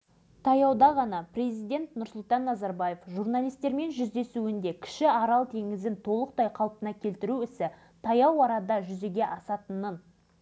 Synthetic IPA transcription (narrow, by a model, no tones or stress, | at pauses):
t̪ʰɑjɑwd̪ɑʁɑnɑpre̞zijd̪e̞nt̪nʊɾsʊlˠt̪ɑnːɑzɑɾbaje̞fʒuɾnalˠijst̪e̞ɾme̞nʒʏzd̪e̞suɪnd̪e̞kʲʰɪ̥ʃɪɑɾɑlˠt̪ʰe̞ŋɪzɪnt̪ʰo̞lˠəq̚t̪ɑjqʰɑw̪ˠpənɑkʲʰe̞lt̪ɪɾuɪsɪ | t̪ʰɑjɑwɑɾɑd̪ɑʒʏze̞ɡʲe̞ʔɑsɑt̪ənən